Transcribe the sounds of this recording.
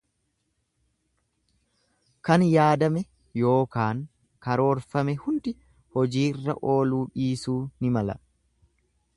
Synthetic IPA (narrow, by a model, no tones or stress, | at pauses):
kɐnjaːd̪ɐmɛ | jo̞ːkaːŋ | kɐɾo̞ːɾfɐmɛhʊnd̪ɪ | hɔd͡ʒiːɪrːɐ̰ʔo̞ːluːᶑiːsuːnɪmɐlɐ̰